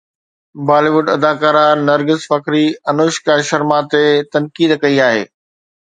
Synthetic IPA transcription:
baːliːʋʊɖɐd̪aːkaːɾanɐɾɡɪzfɐkɾiɐnoːʃkaʃɐɾmat̪et̪ɐnkiːd̪kɐiaːɦḛː

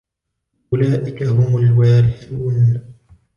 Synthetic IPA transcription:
ʔʊlaːʔɪkaɦʊmʊlwaːlɪħɪuːn

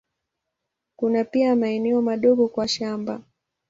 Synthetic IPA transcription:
kunapiamaɛnɛɔmaɗɔɠɔkwaʃamba

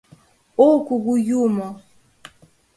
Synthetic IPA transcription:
okuɡujumɔ

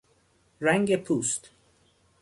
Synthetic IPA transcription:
ɾæŋɡepʰuːst̪

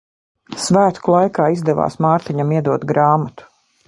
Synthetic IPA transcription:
svæːt̪kulˠajkaːizd̪ɛva̰ːsmaːɾt̪iɲamiɛd̪uɔt̪ɡɾaːmat̪u̥

